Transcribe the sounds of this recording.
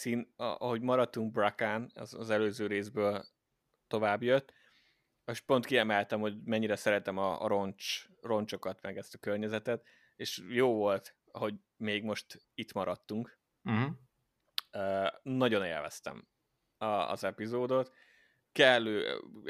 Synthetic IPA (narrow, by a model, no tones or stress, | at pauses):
siːnɒ̰ɒɦo̞ɟmɒɾɒt̪ːuŋɡ̚brakanɒ̰zzɛløːzøːɾeːzbøːl | t̪o̞vaːbjøt̪ː | eʃpo̞nt̪kiɛmɛlt̪ɛmho̞ɟmɛɲːiɾɛsɛɾɛt̪ɛmɒ̰ɾont͡ʃ | ro̞nt͡ʃo̞kɒt̪mɛɡɛst̪ɒkørɲɛzɛt̪ɛt̪ | eːʃjoːvo̞lt̪ | ɒɦo̞ɟ | meːɡmo̞ʃt̪it̪mɒɾɒt̪ːuŋk̩ | øːnɒɟo̞nḛːlvɛ̰st̪ɛ̰m | ɒ̰ːzɛpizoːd̪o̞t̪ | kɛlːøː